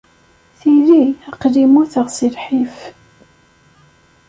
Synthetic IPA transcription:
θiðiəqːðimuθəʁsilħif

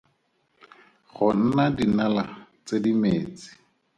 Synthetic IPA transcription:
ɣʊn̩nadinalat͡sedimeːt͡si̥

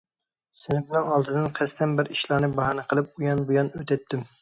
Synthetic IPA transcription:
sɪnɪmnɪŋɑlˠd̪ɨd̪ɨnqʰɛst̪ɛnbɪɾiʃlˠɑnɨbɑɦɑnɨqʰəlˠɨp̚ujɑnbujɑnøt̪ɛt̪ːɪm

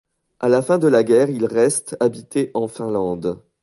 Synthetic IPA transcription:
alafɛ̃d̪əlaɡʲɛʁilʁɛst̪abit̪eʔɑ̃fɛ̃lɑ̃d̪

